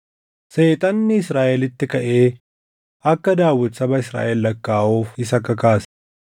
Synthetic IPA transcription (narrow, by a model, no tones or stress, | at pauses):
se̞ːt̪ʼɐnːɪɪsɾaːʔɛlɪt̪ːɪkɐʔe̞ː | ɐkːɐd̪aːwːɔt̪sɐbɐɪsɾa̰ːʔɛlːɐkːaːʔuːfɪsɐkːɐkaːs